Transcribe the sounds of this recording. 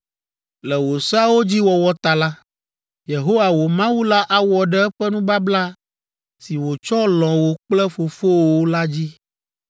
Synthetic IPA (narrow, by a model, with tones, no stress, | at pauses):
lɛ˨wo˨sa˦wo˦d͡ʑi˦wɔ˨wɔ˦t̪a˨la˦ | je˨ɦo˦wa˨wo˨mã˦wu˦la˦ʔa˦wɔ˨ɖɛ˦ɛ˦ɸɛ˦nũ˦ba˦bla˦ | si˨wo˨t͡ʃɔ˦lɔ̃˨wo˨k͡plɛ˦fo˨fo˦wo˦la˦d͡ʑi˦